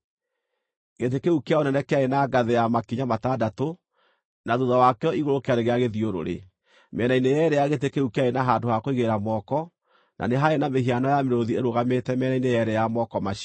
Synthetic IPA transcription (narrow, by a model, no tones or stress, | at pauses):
ɣet̬ekeukeaonɛnɛkeaenaɡaðejamakiɲamatadato | naðuðawakɛɔiɣoɾokeaɾeɣeaɣeðioɾo̰ɾḛ | mɛnainejɛɾɛjaɣetekeukeaenaɦandohakoiɣeɾamɔkɔ | nʔa̰neɦaenameɦianɔjameɾoðieɾoɣametɛmɛːnainejɛɾɛjamɔkɔmaʃ